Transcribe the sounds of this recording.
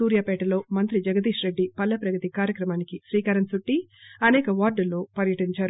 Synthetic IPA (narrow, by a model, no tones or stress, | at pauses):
uːɾjaːpɛːʈɐlo̞ːmɐnt̪ɾid͡ʒɐɡɐd̪iːʂɾe̞ɖːipɐlːɐpɾɐɡɐt̪ikaːɾjɐkɾɐmaːnikiʃɾiːkaːɾɐmsuʈːiɐnɛːkɐʋaːɾɖɐlːo̞ːpɐɾjɐʈiɲt͡ʃaːɾ